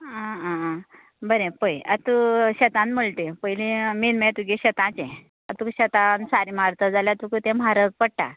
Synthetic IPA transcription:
ã | bəɾẽpəjat̪uɕət̪ãnm̤əɭt̪epəjlĩminmẽt̪uɡeɕət̪ãt͡ɕẽ | ət̪uɕət̪ãnsaɾim̤aɾt̪əd͡zaljat̪ukit̪ẽmaɾək̚pəɽʈa̰

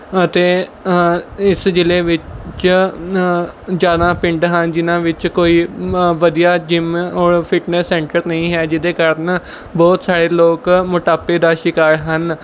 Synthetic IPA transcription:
ət̪eː | ɪsd͡ʒɪleːʋɪt͡ʃt͡ʃ | d͡ʒaːd̪ãːpɪ̃ɳɖɦənd͡ʒɪnãːʋɪt͡ʃkoːiːʋəd̪ijaːd͡ʒɪmɔːɾpʰɪʈnɛsːɛ̃ːɳʈəɾnəĩːɦɛːd͡ʒɪd̪eːkəɾn | bɔːt̪saːɽeːloːkmʊʈaːpeːd̪aːʃɪkaːɾɦən

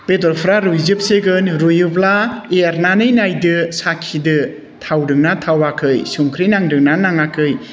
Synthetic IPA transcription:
b̥edɔɾpʰɾaɾujzɯp̚seɡɯnɾujuplaeaɾnanɯjnajdɯsakʰidɯ | tʰawdɯŋnatʰawakʰɯjsuŋkʰɾinaŋdɯŋnanaŋakʰɯj

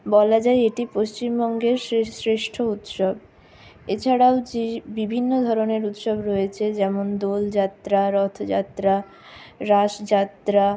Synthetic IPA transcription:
bɔlad͡ʑaeeʈipoʃt͡ɕimbɔŋɡeɾsesɾeʃʈʰout̪ʃob | et͡ɕʰaɽaod͡ʑebibʱinːod̪ʱɔɾoneɾut̪ʃobɾɔjet͡ɕʰed͡ʑɛmond̪old͡ʑat̪ːɾaɾɔt̪ʰd͡ʑat̪ɾa | ɾaʃd͡ʑat̪ɾa

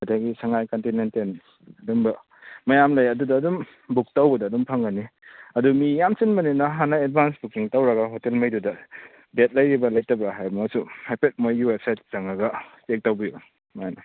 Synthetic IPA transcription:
ɐdaɡisɐŋajkontinenten | ɐdumbɐ | mɐjamlɐjɐdudɐːdum | buk̚tawbɐdɐːdumpʰɐŋɡɐniɐdumijamsinbɐninɐɦanɐed̚bʱansbukiŋtawɾɐɡɐɦotelmɐjdudɐ | bet̚lɐjɾibɐlɐjtɐbɾaɦajmɐɐsuhajpet̚mojɡiwep̚sajt̚zaŋɐɡɐtek̚tawbiju | majnɐ

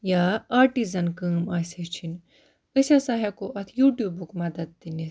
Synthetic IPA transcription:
jaaːɾʈizɐnkəːmaːset͡ʃʰin | ɨsasaɦɐkoʔɐt̪ʰjuːʈjuːbukmɐd̪ɐd̪̚d̪ini

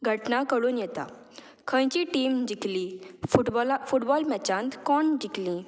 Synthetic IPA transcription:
ɡʱəʈnakəɽuːnjɛt̪a̰ | kʰə̃jt͡ɕiʈiːmd͡ʑiklifuʈblfuʈbɔlmɛt͡ɕãnt̪kɔɳd͡ʑiklĩ

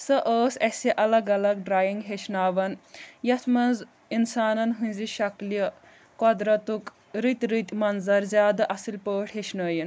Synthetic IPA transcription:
sɐʔəːsɐsiʔɐlɐɡɐlɐɡ̚ɖɾaːjiŋɡɦeʃnaːʋɐnjɐt̪ʰmɐnz | insaːnɐnɦũnʲziʃɐkliɐ | kɔd̪ɾɐt̪uk | ɾit̪ʲɾit̪ʲmɐnzɐɾzʲjaːd̪ɐʔɐsilpəːʈɦeʃnəːjin

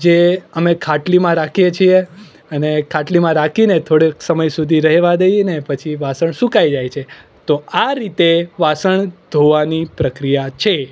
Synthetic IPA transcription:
d͡ʒeəmekʰaʈlimãɾakʰijet͡ʃʰie | ənekʰaʈlimãɾakʰinet̪ʰoɽeksəməjsud̪ʱiɾəɦɛʋad̪ejinepət͡ʃʰiʋasəɳsũkajd͡ʒajt͡ʃʰe | t̪oaɾit̪eʋasəɳd̪ʱoʋanipɾəkɾijat͡ʃʰe

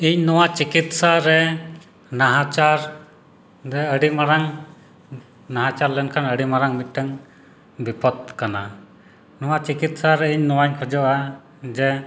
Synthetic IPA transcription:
iɲnɔwat͡ʃikit̪saɾɛ | naɦat͡ʃaɾ | dɛəɽimaɾaŋ | naɦat͡ʃaɾlɛnkʰanəɽimaɾaŋmit̪̚ʈəŋ | bipɔd̪̚kana | nɔwat͡ʃikit̪saɾɛiɲnɔwaɲkʰɔd͡ʒɔʔa | d͡ʒɛ

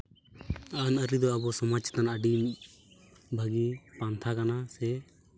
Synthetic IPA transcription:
anəɾid̪ɔəbɔsɔmat͡ʃʰḁt̪anaəɖi | bʱəɡipant̪ʰakanasɛ

